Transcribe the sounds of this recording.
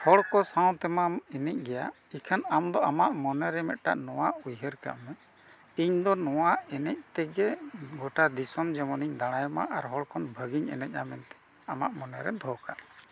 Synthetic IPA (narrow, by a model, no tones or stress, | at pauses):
hɔɽkɔsãw̃t̪ɛmaminɛc̚ˀɡɛjaʔ | ikʰanamd̪ɔamaʔmɔnɛɾɛmɛt̪̚ʈa̰ʔnɔwaʔujɦəɾka̰ʔmɛ | iɲd̪ɔnɔwaʔɛnɛc̚t̪ɛɡɛɡɔʈad̪isɔmd͡ʒɛmɔniɲd̪aɽ̃ajma̰ʔaɾɦɔɽkʰɔnbʱəɡiɲɛ̰nɛc̚amɛnt̪ɛ̥ | amaʔmɔnɛɾɛ̰d̪ʱɔkaʔ